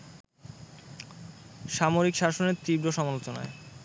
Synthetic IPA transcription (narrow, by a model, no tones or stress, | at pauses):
ʃamoɾikʃaʃoneɾt̪ibɾoʃɔmalot͡ɕona̰e